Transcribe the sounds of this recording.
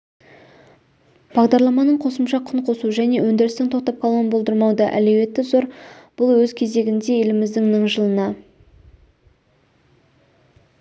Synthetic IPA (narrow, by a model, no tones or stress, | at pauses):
b̥ɑʁd̪ɑɾlˠɑmɑnəɴqʰo̞səmʃɑqʰʊɴqʰo̞suʒæne̞wɵnd̪ɪɾɪst̪ɪŋt̪ʰo̞q̚t̪ɑp̚qʰɑlˠʁənbo̞lˠd̪əɾmɑwd̪ɑʔæ̰le̞we̞t̪ːɪzoɾb̥ʊlˠwɵzkʲʰe̞ze̞ɡʲɪnd̪e̞je̞lɪmɪzd̪ɪŋnəɴʒəlˠənɑ